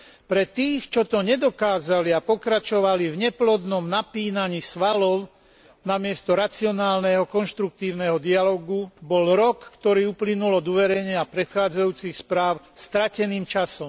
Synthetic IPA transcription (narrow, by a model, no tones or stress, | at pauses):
pɾɛt̪iːxt͡ʃɔt̪ɔɲɛd̪ɔkaːzaliapɔkɾat͡ʃɔʋalivɲɛplɔd̪nɔmnapiːnaɲisʋalɔʊ | namɪɛst̪ɔɾat͡siɔnaːlnɛɦɔkɔnʃt̪ɾuk̚t̪iːʊnɛɦɔd̪ialɔːɡubɔlɾɔkːt̪ɔɾiːuplinulɔd̪uʋɛɾɛɲɪapɾɛt̪xaːd͡zajuːt͡sixspɾaːʊ | st̪ɾacɛniːmt͡ʃasɔm